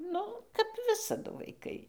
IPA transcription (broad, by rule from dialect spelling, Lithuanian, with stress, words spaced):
ˈnʊ kɐp ˈʋʲɪsɐdʊ ʋɐɪˈkɐɪ